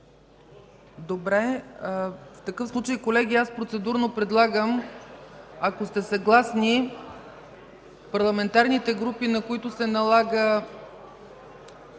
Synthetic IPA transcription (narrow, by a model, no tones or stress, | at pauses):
d̪obɾɛ | ft̪ɐkɤfslˠut͡ʃəjkolɛɡ̟iaspɾot̪sɛd̪uɾnopɾɛd̪lˠaɡəm | ɐkost̪ɛsɐɡlˠasni | pɐɾlˠɐmɛnt̪aɾnit̪ɛɡɾupinɐkoit̪ʊsɛnɐlˠaɡə